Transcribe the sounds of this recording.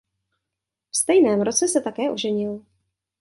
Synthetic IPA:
fst̪ɛjnɛːmɾo̞t͡sɛsɛt̪akɛːʔoʒɛɲɪl

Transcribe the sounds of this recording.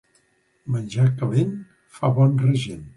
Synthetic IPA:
mənʲʒakəβen | faβɔnrəʒen

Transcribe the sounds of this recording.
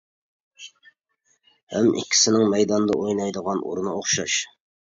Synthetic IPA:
hɛ̰mʔɪ̰kʲʰːi̥sɪnɪŋmɛjd̪ɑnd̪ɑʔojnɑjd̪əʁɑnʔṵɾunɑoχʃɑʃ

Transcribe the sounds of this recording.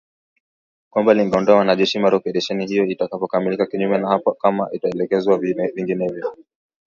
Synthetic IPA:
kwambaliŋɡɛɔndɔawanaʄɛʃimaɾɔpɛɗaʃɛnihijɔitakapɔkamilikakiɲumɛnahapakama̰ʔitaɛlɛkɛzwavviŋɡinɛvjɔ

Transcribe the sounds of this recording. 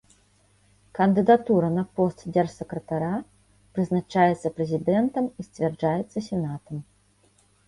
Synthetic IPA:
kɐnd̪ɨd̪at̪uɾɐnɐpɔst̪dʲɛrsʲɛkɾɐt̪aɾa | pɾɨznat͡ʂajɛt̪sːɐpɾɛzʲid̪ɛnt̪ɐmisʲt͡sʲvʲɛrd͡ʐajɛt̪sːɐsʲɛnat̪ɐm

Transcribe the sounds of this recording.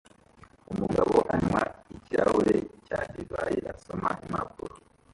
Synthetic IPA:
umuɡaβoʔanwaicawecadivajeʔaso̞maʔimakuɾo

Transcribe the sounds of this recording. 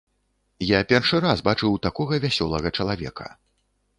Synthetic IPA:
japʲɛrʂɨɾasbat͡ʂɨwt̪akɔɣɐvʲasʲɔlˠɐɣɐt͡ʂɐlˠavʲɛ̰kɐ̥̰

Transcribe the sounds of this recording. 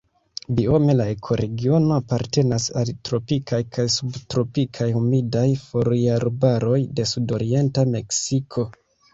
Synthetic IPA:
bio̞me̞lae̞kʰo̞ɾe̞ɡio̞no̞apaɾte̞nasa̰ltɾo̞pikʰajkʰajsubtɾo̞pikʰajhumidajfo̞ɾjaɾbaɾo̞jde̞sudo̞ɾie̞ntame̞ksikʰo̞

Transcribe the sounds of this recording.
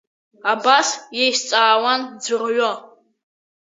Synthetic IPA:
abasjejʃt͡sʼaːwand͡zɨrɥo

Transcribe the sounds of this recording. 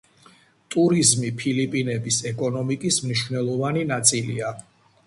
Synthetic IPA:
t̪ʼuɾizmipʰilipʼinɛbisɛkʼɔnɔmikʼismniʃvnɛlˠɔvaninat̪sʼilḭa

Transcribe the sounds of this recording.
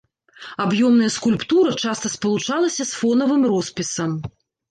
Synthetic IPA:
abjɔmnɐjɐskulʲpt̪uɾɐt͡ʂast̪ɐspɐlˠut͡ʂalˠɐsʲɐsfɔnɐvɨmrɔspʲisɐm

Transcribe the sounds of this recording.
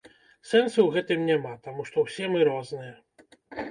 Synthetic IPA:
sɛnsuwɣɛt̪ɨmnʲamat̪amuʂt̪ɔwsʲɛmɨɾɔznɨjɛ

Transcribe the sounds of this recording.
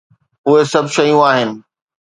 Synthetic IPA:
ʊɦesɐbʃɐjũaːɦɪnɪ̆

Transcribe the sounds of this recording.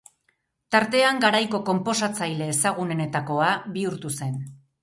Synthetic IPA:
t̪aɾt̪e̞aŋɡaɾajko̞ko̞mpo̞sat͡sajle̞ːsaɣ̞une̞ne̞t̪ako̞aβiuɾt̪use̞n

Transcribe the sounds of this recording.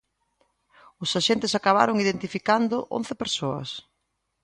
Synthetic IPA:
ʊsaʃent̪ɪsakaβ̞a̰ɾʊŋiðent̪ifikand̪ʊʔõ̰n̟θɪpeɾsoɐ̰s

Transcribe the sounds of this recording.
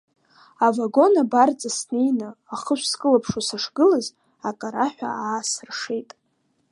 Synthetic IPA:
avaɡo̞nabart͡sʼasnejnɨaχəʃʷskʼɨlapʰʂasaʂɡɨlaz | akʼaɾaħʷᶣa̰aːsɨrʂejtʼ

